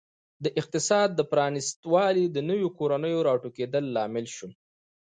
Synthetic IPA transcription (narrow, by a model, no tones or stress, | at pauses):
d̪əʔɪq̚t̪ɪsɑd̪̚ːəpɾɑnɪst̪wɑlid̪ənəwjokoɾanəjoɾɑʈoked̪əlːɑmɪlʃu